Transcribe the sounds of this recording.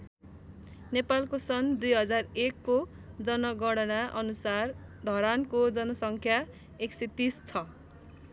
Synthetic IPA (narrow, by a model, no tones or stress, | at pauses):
nepalkosʌnd̪ujɦʌd͡zarekːo | d͡zʌnʌɡʌɽʌnaʔʌnusard̪ʱʌɾankod͡zʌnʌsʌŋkʰja | ekset̪ist͡sʰʌ